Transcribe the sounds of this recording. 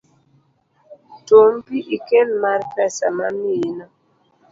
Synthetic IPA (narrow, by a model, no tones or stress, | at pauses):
tompiikelmaɾpɛsa̰maminɔ